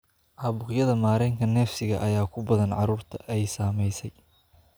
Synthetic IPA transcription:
ʔaːβʊqjɐðɐmaːɾɛːŋkʰɐnɛːfsɪɣɐʔɐjaːkʰʊbɐðɐnʕɑɾuːrt̪ʰɐʔɛjsaːmɛjsɛj

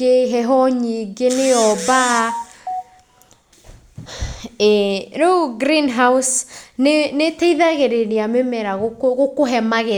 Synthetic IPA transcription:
eɦɛɦɔɲiɡeneɔba | ɛɾouɡɾinɦausnenetɛiðaɣeɾeɾeamemɛɾaɣokoɣokoɦɛmaɣe

